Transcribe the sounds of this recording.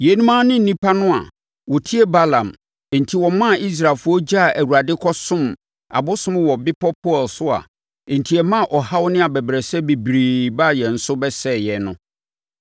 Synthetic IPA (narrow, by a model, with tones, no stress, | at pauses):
jɛ˨˦nũ˦mãː˦nɪ̃˦n̩˨nĩ˦pʰa˦nʊ̃˦a̰˨ | wɔ˨tʰi˦ɛ˦ba˦lã˨m̩˨ | n̩˨tʰi˨wɔ̃˨mã˦˨i˦s̬ɾa˨lfʊ˦ɔ˦d͡ʑa˦˨æ˨wu˨ɾa˨dɪ˦kʰɔ˦sʊ̃˦˨m | a̰˨bʊ˦sʊ̃˦m̃˦wɔ˨bɪ˦pʰɔ˦pʰɔ˦˨lsʊ˦ã̰˨ | n̩˨tʰi˨ɛ˨mã˦˨ʔɔ˨ha˦wʊ˦nɪ̃˦a˨bɛ˨bɾɛ˨sɛ˦be˨bɾiː˨ba˦˨jɛ˨n̩˨sʊ˦bɛ˦sɛ˦˨jɛ˨nʊ̃˦